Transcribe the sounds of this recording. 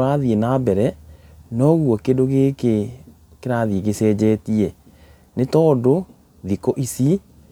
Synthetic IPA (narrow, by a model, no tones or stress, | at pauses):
ɾaðienabɛɾɛ | nɔɣwɔkedoɣeke | keɾaðieɣesɛd͡ʑɛtie | netɔːdo | ðikoʔisi